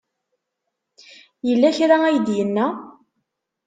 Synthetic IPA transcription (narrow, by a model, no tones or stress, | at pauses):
jəlːæçɾaæjəd̪jənːæ